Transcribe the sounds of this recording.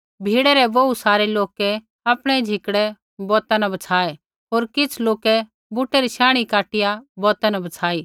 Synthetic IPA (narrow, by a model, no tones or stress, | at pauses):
bʱiːɽɛɾɛʋɐusaːɾɛloːkɛ | ɐpɽ̃ɛd͡ʒʱɪkɽɛ | bɔːt̪ãnabɐt͡sʰaːɛ | ɦoːɾkɪt͡sʰloːkɛ | bʊʈːɛɾiʃaːɽ̃ikaːʈɪjabɔːt̪ãnabɐt͡sʰaːiː